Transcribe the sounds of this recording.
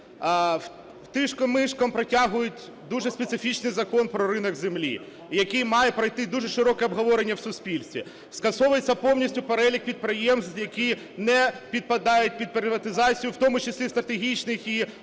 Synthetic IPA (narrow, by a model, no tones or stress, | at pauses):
wt̪ɪʃkɔmːɪʃkɐmpɾɐtʲaɦʊjʊtʲ | d̪uʒɛspʲet̪sɪfʲit͡ʃnɪjzɐkɔnpɾɔɾɪnɔɡzɪmlʲḭ | jɐkijmɑjɛpɾɐjt̪ɪd̪uʒɛʃɪɾɔkɛɔbɦɔʋɔɾenʲːɐwsʊsʲpʲilʲsʲt̪ʲʋʲḭ | skɐsɔʋʊjet͡sʲːɐpɔwnʲisʲtʲʊpeɾɛlʲik̚pʲid̪̚pɾɪjɛmst̪jɐkʲij | nɛpʲid̪̚pɐd̪ɑjʊt̚ʲpʲid̪̚pɾɪʋɐt̪ɪzɑt͡sʲijʊwt̪ɔmʊt͡ʃesʲlʲist̪ɾɐt̪eɦʲit͡ʃnɪxi